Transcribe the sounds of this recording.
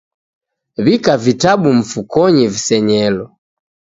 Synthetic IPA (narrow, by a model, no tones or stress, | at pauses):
βikavitabum̩fukɔɲivisɛɲɛlɔ